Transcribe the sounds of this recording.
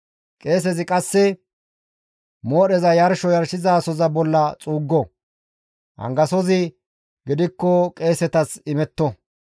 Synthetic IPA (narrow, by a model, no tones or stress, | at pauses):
kʼe̞ːs̬ɛzɪkʼɐsːɛ | mo̞ːɗɛzɐjɐɾʃɔjɐɾʃɪzaːsɔzɐbɔlːɐt͡sʼuːɡːɔ | hɐ̰ŋɡɐsɔzɪ | ɡɪd̪ɪkːɔkʼe̞ːsɛt̪ɐsɪmɛt̪ːɔ